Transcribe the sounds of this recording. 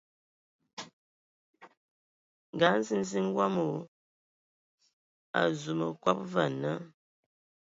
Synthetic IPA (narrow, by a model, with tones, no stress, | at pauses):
ŋ˨ɡa˨˦n̩˦zi˦n˦zi˦ŋ˦ɡwa˦mo˨˦ | a̰˨zu˨mə˨kwa˦p̚va˨nə˦